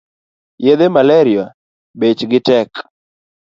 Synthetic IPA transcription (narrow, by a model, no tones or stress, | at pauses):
jed̪emalɛɾɪa | bet͡ʃɡɪtɛk